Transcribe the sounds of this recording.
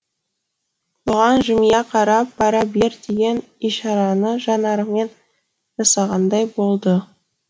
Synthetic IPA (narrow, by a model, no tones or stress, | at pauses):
b̥ʊʁɑnʒʏmjɑqʰɑɾɑpːɑɾɑbe̞ɾd̪eɡʲe̞n | ijʃɑɾɑnəʒɑnɑɾəme̞n | ʒɑsɑʁɑnd̪ɑjbo̞lˠd̪ə